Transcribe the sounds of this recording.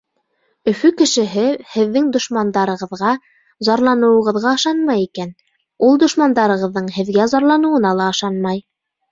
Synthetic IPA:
ɵ̆fɵkɘ̆ʃɘ̆ɦɘhɘ̆ðːɘŋd̪ŏʃmɑnd̪ɑɾɤ̆ʁɤ̆ðʁɑ | zɑɾlˠɑnɤ̆wɤ̆ʁɤ̆ðʁɑɤ̆ʃɑnmɑjikæn | ulˠd̪ŏʃmɑnd̪ɑɾɤ̆ʁɤ̆ðːɤɴhɘ̆ðɡæzɑɾlˠɑnɤ̆wɤ̆nɑlˠɑɤʃɑnmɑj

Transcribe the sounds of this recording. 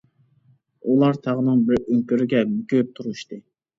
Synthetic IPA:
ulˠɑɾt̪ʰɑʁənɨŋbɪɾøŋkʲyɾɪɡʲɛmykʲyp̚t̪ʰuɾuʃt̪ɨ

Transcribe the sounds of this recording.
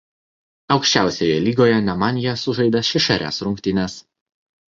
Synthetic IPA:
ɒʊkʃʲt͡ʃʲæˑʊsʲojɛlʲiːɡoːjɛnʲɛmɑːnʲɪjɛsʊʒɐɪd̪ɐʃʲɪʃɐɾʲæ̰ːsɾʊŋʲkt̪ʲɪnʲɛs

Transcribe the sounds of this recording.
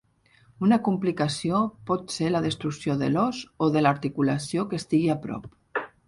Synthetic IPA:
unakumplikasijopɔt̪selaðəst̪ɾuksjoðə̰lɔzoðəlaɾt̪ikulasjokest̪iɣiapɾɔ̰p̚

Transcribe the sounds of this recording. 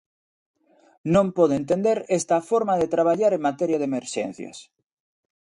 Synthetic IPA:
nõmpoðoẽnt̪end̪eɾest̪afoɾmaðet̪ɾaβ̞aʎaɾeŋmat̪eɾjaðemeɾʃḛn̟θjɐ̰s

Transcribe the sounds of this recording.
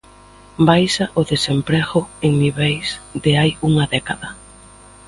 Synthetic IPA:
bajʃaʔʊðesempɾɛɣʊeŋniβɛjsd̪eajuŋɐðɛkaðɐ

